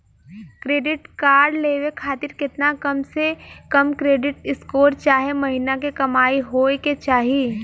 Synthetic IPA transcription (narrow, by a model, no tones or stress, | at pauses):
kɾeːɖɪʈkaːɾɖleːwekʰaːt̪ɪɾkɪt̪nakɐmsekɐmkɾeːɖɪʈɪskoːɾt͡ʃaːɦemɐɦinakekɐmaːiɦoːeket͡ʃaːɦie